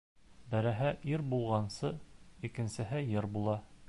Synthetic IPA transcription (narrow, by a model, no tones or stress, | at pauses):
bæɾæɦæʔiɾbulˠʁɑnsɤikɘ̆nsɘ̆ɦɘjɘɾbulˠɑ